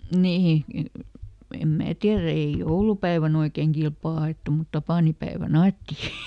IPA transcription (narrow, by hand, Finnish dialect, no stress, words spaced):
nihi em mæː tiæræ ei joulupæiʋæn oikeŋ kilpɑː ɑeˑtːu mut tɑpɑˑnipæeʋæn ɑetːi